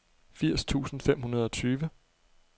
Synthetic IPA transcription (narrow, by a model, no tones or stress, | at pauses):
fiɐ̰st͡sʰṵːsn̩fem̰hunɐð̞ˠɒ̽t͡sʰyːʋə